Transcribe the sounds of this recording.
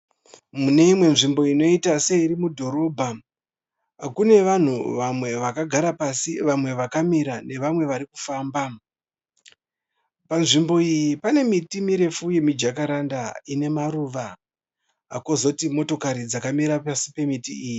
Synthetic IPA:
mune̞imwe̞nʐimbo̞ino̞itase̞iɾimudʱo̞ɾo̞bʱa | kune̞ʋan̤uʋamwe̞ʋakaɡʱaɾapasiʋamwe̞ʋakamiɾane̞ʋamwe̞ʋaɾiku̥faːmba | panʐimbo̞ijipane̞mitimiɾe̞fuje̞mid͡ʒakaɾandaine̞maɾuːʋa | a̰ko̞zo̞timo̞to̞kaɾid͡zakamiɾapasipe̞mitiiːji

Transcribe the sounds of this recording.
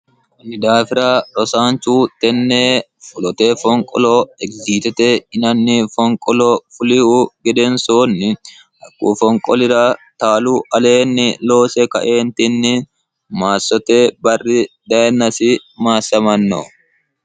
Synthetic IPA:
wɐnɪd̪aːfɪɾaːɾɔsaːnt͡ʃuːt̪ɛnːeː | fʊlɔt̪eːfɔŋkʼɔ̰loɛɡziːt̪ɛt̪ɛɪnɐnːɪfɔŋkʼɔloːfʊlɪhuːɡɛd̪ɛnsoːnːɪ | ʔɐkʼːṵːfɔŋkʼɔlɪɾat̪aːluːʔɐle̞ːnːɪlo̞ːsɛkɐ̰ʔeːnt̪ɪnːɪ | maːsːɔt̪ebɐrːɪd̪ɐɛnɐsɪmaːsːɐmɐnːɔ̰

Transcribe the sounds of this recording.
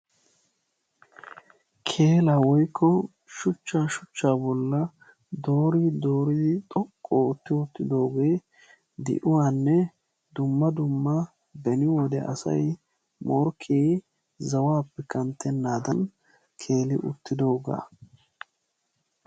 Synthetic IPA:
kʰe̞ːlawɔjkʰːɔ | ʃʊt͡ʃːaːʃʊt͡ʃːaːbɔlːɐ | d̪o̞ːɾid̪o̞ːɾɪd̪ɪt̪ʼɔkʼːoʊt̪ːɪʊt̪ːɪd̪o̞ːɡeː | d̪ɪ̰ʔʊwaːnːɛ | d̪ʊmːɐd̪ʊmːɐ | bɛnɪwɔd̪ɛʔɐ̰sɐ̰j | mɔɾkʰeː | zɐwaːpːɛkɐnt̪ːɛnːaːd̪ɐn | kʰe̞ːlɪʔʊ̰t̪ːɪd̪o̞ːɡa̰ː

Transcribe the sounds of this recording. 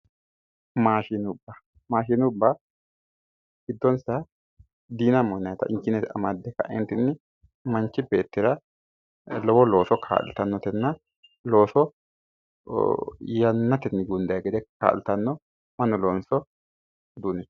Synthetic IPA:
maːʃinʊbːa | maːʃinʊbːa | ɡɪd̪ːɔnsɐ | d̪iːnɐmɔnːɐjt̪ɐ̰ʔɪɲt͡ʃːɪnɛt̪ɐ̰mad̪ɛkːɐ̰ʔɪ̰nt̪ɪnːɪ | mɐnt͡ʃːɪbe̞ːt̪ːɪɾɐ | lɔwɔlo̞ːsɔkʰa̰ːlɪ̰t̪ɐnːɔt̪ɛnːɐ | lo̞ːsɔ | jɐnːɐt̪ɛnːɪɡʊnd̪ɐjaɡɛd̪ɛka̰ːlɪt̪ɐnːɔ | mɐnːɔloːnsɔ | d̪uːnɛ

